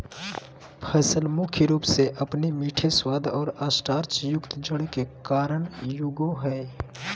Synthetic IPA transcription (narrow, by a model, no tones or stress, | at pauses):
pʰɛːsəlmʊkʰjəɾuːpseʔɐpnemiːʈʰeswaːd̪ʱɔːɾaːsʈaːɾt͡ʃjʊkt̪d͡ʒəɽkekaːɾəɳ̃jʊɡoɦɛː